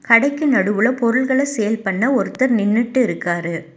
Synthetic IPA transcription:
kɐɽɐɪkːɯnɐɽɯʋɯɭɐpɔɾɯɭɣɐɭɐsɛjɐlpɐɳːɐɔɾɯt̪ːɐɾnɪnːɪʈːɯɪɾɯkːaːɾɯ

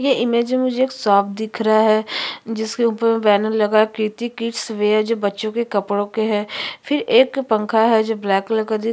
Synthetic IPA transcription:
jeʔɪmeːd͡ʒẽmʊd͡ʒʱeeːksaːpd̪ɪkʰɾɐɦaɦɛːd͡ʒɪskeʊːpəɾʋɛːnəlɐɡakiːt̪ikiːʈsʋeːɛd͡ʒoːbɐtːʃõkekɐpɽõkeɦɛːpʰɪɾeːkpə̃ŋkʰaɦɛd͡ʒoːblɛːkləkəd̪i

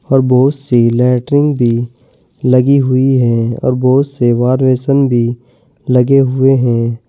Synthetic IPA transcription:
ɔːɾboːsselɛːʈɾɪ̃ŋɡbʱi | lɐɡiɦʊiɦɛ̃ɔ̰ːɾboːt̪seʋaːɾʋeːsənbʱi | lɐɡeɦʊeɦɛ̃ː

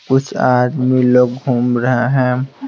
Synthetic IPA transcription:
kʊt͡ʃʰaːɾmiloːɡɡʱuːmɾəɦeɦɛ̃

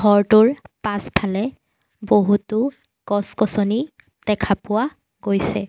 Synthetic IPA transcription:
ɔɹtuɹpaspʰalɛ | boɦutʊ | kɔskɔsɔni | d̥ɛkʰapʊwa | ɡojsɛ

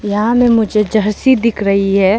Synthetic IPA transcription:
jɐɦãmẽmʊd͡ʒʱed͡ʒɐɾsid̪ɪkʰɾɐɦiɦɛː

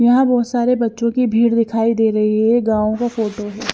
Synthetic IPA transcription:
jɐɦãbɔːt̪saːɾebɐtːʃõkibʱiːɽd̪ɪkʰaːid̪eːɾɐɦiɦɛɡãːõkafoːʈoɦɛː

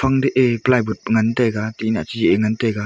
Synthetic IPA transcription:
faŋdeʔeplajbut̚ŋəntajɡat̪inat͡ʃid͡ʒiʔeŋəntaɡa

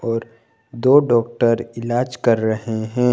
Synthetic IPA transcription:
ɔːɾ | d̪oːɖɔːk̚ʈəɾɪlaːd͡ʒkɐɾːɐɦeɦɛ̃ː

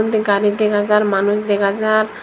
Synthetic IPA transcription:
nt̪iɡaɾid̪ɛkʰad͡zaɾmanuʃd̪ɛkʰad͡ʑaɾ

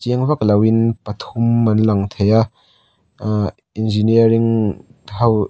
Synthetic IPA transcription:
t͡ʃiəŋvaklɐwinpɐt̪ʰumːɐnlaŋt̪ʰejaʔ | inziniɐɾiŋɦɐw

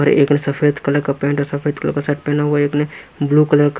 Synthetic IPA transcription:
ɔɾḛːknesɐfʰeːd̪kɐləɾkapẽːɳʈɔːɾsɐpʰeːd̪kɐlə̰ɾkːasɐʈ̚pẽːɳnaɦuwaeːknebluːkɐləɾk

